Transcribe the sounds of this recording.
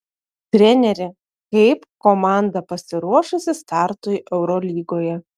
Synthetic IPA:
t̪ʲɾʲɛnʲɛɾʲɪ | kɐɪpkomɑˑnd̪ɐpɐsʲɪɾuɔʃʊsʲɪst̪ɑˑɾt̪ʊjʔɛʊɾɔlʲiːɡoːjɛ

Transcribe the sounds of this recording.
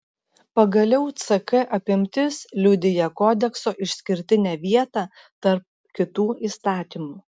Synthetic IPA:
pɐɡɐlʲɛʊt̪sɐkɐʔɐpʲɪmʲt̪ʲɪslʲʊd̪ʲɪjɛkoːd̪ʲɛksoːʔɪʃsʲkʲɪɾʲt̪ʲɪnʲɛːʋʲiɛt̪ɑː | t̪ɐɾp̚ | kʲɪt̪uːiːst̪ɑːt̪ʲiːmuː

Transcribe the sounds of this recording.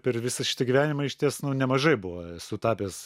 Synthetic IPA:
pʲɛrʋʲɪsɐʃʲɪ̥t̪ɐɡʲiʋʲæːnʲɪmɐɪʃʲt̪ʲiɛsnʊnʲɛmɐʒɐɪbʊʋɐsʊt̪ɑːpʲeːs

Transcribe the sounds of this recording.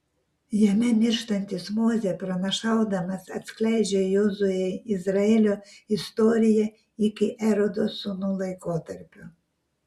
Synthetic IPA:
jɛmʲɛmʲɪɾʃt̪ɐnʲt̪ʲɪsmoːzʲɛpɾɐnɐʃɑˑʊd̪ɐmɐsɐt̪ʲsʲklʲæɪd͡ʒʲɛjoːzʊjɛjɪzɾɐɛlʲoɪst̪oːɾʲɪjɛ | ikʲɪʔɛɾɔd̪osʊnulˠɐɪkoːt̪ɐɾʲpʲʊ

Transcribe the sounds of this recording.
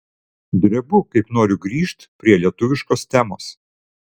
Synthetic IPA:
d̪ʲɾʲɛbʊkɐɪpnoːɾʲʊɡɾʲiːʃt̪pʲɾʲiɛlʲiɛt̪ʊʋʲɪʃkoːst̪ʲæmoːs

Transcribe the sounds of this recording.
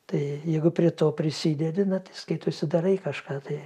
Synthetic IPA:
t̪ɐɪjɛɪɡʊpʲɾʲiɛt̪oːpʲɾʲɪsʲiːd̪ʲɛd̪ʲɪnɐt̪ɐɪskɐɪt̪oːsʲɪd̪ɐɾɐɪkɐʃkɑːt̪ɐɪ

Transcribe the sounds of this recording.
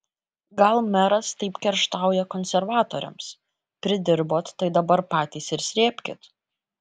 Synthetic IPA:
ɡɐlˠmʲɛɾɐst̪ɐɪpkʲɛɾʃt̪ɑˑʊjɛkɔnʲsʲɛɾʋɑːt̪oːɾʲɛ̰ms | pʲɾʲɪd̪ʲɪɾboːt̪ːɐɪd̪ɐbɐɾpɑːt̪ʲiːsɪɾsʲɾʲeːpʲkʲɪt̪

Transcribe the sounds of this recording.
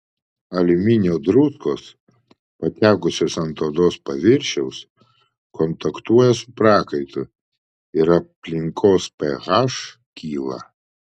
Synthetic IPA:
ɐlʲɪmʲɪnʲoːd̪ɾʊskoːs | pɐt̪ʲæːkʊsʲoːsɐnt̪oːd̪oːspɐʋʲɪɾʲʃʲɛʊs | kɔnt̪ɐkt̪uɔjɛsʊ̥pɾɑːkɐɪt̪ʊ | ɪɾɐpʲlʲɪŋkʰoːspʲɛɣɑːʃ | kʲiːlˠɐ̰

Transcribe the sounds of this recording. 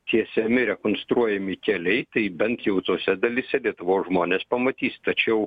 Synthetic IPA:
t̪ʲiɛsʲɛmʲɪɾʲɛkonst̪ɾuɔjɛmʲɪkʲɛlʲɛɪt̪ɐɪbʲɛnt̪jɛʊt̪oːsʲɛd̪ɐlʲɪsʲɛlʲiɛt̪ʊʋoːʒmoːnʲeːspɐmɐt̪ʲiːst̪ɐt͡ʃʲɛʊ

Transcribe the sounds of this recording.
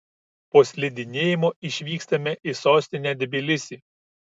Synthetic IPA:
poːsʲlʲɪd̪ʲɪnʲeːjɪmoːʔɪʃʲʋʲiːkst̪ɐmʲɛʔɪsoːsʲt̪ʲɪnʲæːd̪ʲɛbʲɪlʲɪsʲiː

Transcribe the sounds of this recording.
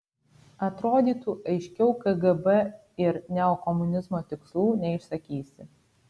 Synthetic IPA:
ɐt̪ɾoːd̪ʲiːt̪uːʔɐɪʃʲkʲɛʊkɐɡɐbɛ | ɪɾnʲɛokɔmʊnʲɪzmoːt̪ʲɪkslˠuːnʲɛɪʃsɐkʲiːsʲɪ

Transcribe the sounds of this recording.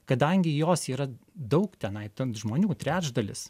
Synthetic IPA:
kɐd̪ɐŋʲɡʲɪjoːsiːɾɐd̪ɒʊkt̪ʲɛnɐɪt̪ɐnʒmoːnʲuːt̪ʲɾʲæːd͡ʒd̪ɐlʲɪ̰s

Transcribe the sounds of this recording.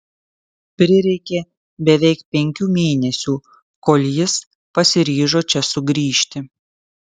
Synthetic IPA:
pʲɾʲɪɾʲɛɪkʲeː | bʲɛʋʲɛɪkpʲɛŋʲkʲuːmʲeːnʲɛsʲuː | koːlʲjɪs | pɐsʲɪɾʲiːʒoːt͡ʃʲɛsʊɡɾʲiːʃʲt̪ʲɪ

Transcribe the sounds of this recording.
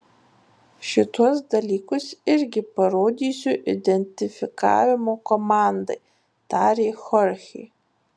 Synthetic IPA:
ʃɪtʰɔs̬dɐlʲiːkʰʷʊsɪrɡʲɪpɐɾoːd̪ʲiːsʲuʔḭdʲɛnʲtʲɪfʲɪka̰ːvʲɪmokɔmandɐ̰j | tʰaːɾeːxɔrxʲḭː

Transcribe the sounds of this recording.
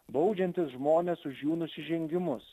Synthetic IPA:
bɔʊd͡ʒʲɛnʲt̪ʲɪsʒmoːnʲeːsʊʃjuːnʊsʲɪʒʲɛŋʲɡʲɪmʊs

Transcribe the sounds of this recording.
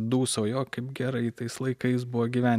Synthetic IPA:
d̪uːsoːjoːkɐɪpɡʲɛɾɐɪt̪ɐɪslˠɐɪkɐɪs̬bʊʋoːɡʲiʋʲæːnʲ

